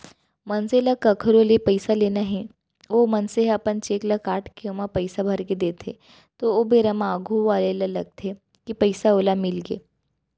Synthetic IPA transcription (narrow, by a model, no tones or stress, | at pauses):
mɐnselakɐkʰəɾolepɐɪsaleːnaɦɛ | omɐnseɦɐpənt͡ʃeːklakaːʈkeomapɐɪsabʱɐɾked̪eːt̪ʰḛ | t̪oobeɾɐmaːɡʱuʋaːlelɐlɐɡ̚t̪ʰe | kipəɪsaoːlamɪlɡḛː